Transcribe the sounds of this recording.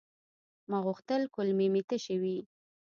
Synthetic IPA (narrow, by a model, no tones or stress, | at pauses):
maɣʊxt̪əlkʊlmemit̪əʃəwi